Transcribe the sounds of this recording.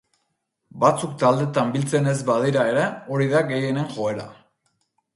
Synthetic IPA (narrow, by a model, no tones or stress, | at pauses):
bat͡sukt̪ald̪e̞t̪ambilt͡se̞ne̞zbaðiɾae̞ɾe̞o̞ɾiðaɡe̞je̞ne̞ŋʝo̞e̞ɾa̰